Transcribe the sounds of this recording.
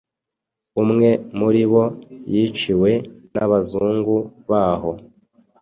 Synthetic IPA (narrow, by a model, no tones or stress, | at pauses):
umŋe̞muɾiβo̞jit͡ʃiwe̞naβazuːŋɡuβaːɦo